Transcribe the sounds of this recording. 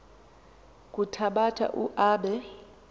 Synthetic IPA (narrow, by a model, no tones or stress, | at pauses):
k̬ʼutʰaɓatʰa̰ʔuʔaːɓɛ